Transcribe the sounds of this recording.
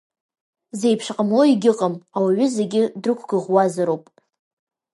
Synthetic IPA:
ze̞jpʰʂqʼəmlo̞iɡʲɪqʼəmawaɥʏze̞ɡʲɪdrɨkʷʰɡ̥ɨʁwazaɾowpʼ

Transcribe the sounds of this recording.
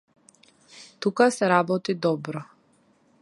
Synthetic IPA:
t̪ukasɛɾabɔt̪id̪ɔbɾɔ

